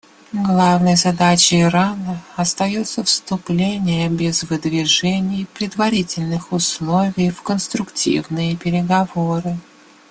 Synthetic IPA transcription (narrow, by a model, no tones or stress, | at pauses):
ɡlˠavnəjzɐd̪at͡ɕɪɪɾanəɐst̪ɐjot̪səfst̪ʊplʲenʲɪjəbʲɪzvɨd̪vʲɪʐɛnʲɪjpɾʲɪd̪vɐɾʲitʲɪlʲnɨxʊslˠovʲɪjfkənst̪ɾʊktʲḭvnɨjəpʲɪɾʲɪɡɐvoɾɨ